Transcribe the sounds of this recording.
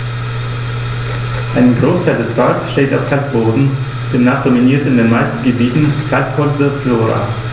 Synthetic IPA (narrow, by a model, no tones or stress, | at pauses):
ʔaɪnəɡʁoːstʰaɪldɛsbalksʃteːtaʊfkʰalt̚b̥oːdn̩ | d̥eːmnaːχd̥ominiːɐtɪndeːnmaɪstn̩ɡəbiːtn̩kʰaltbʰʊvəfloːʁa̰